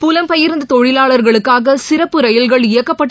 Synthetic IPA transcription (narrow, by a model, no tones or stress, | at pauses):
pʊlɐmpɐjɪɾnd̪ɐt̪ɔɻɪlaːɭɐɾɣɐɭɯkːaːɣɐsɪɾɐpːɯɾɐjɐlɣɐɭɪjɐkːɐpːɐʈː